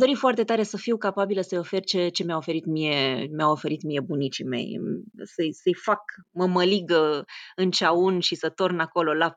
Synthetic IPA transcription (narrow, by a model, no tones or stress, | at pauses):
ad̪o̞ɾifoart̪e̞t̪aɾe̞səfiwkapabiləsəjo̞fe̞rt͡ʃe̞t͡ʃe̞mjaofe̞ɾit̪mije̞meawo̞fe̞ɾit̪mije̞bunit͡ʃime̞̰jsəjsəjfakməməliɡəɨnt͡ʃaunʃisət̪ornako̞lo̞la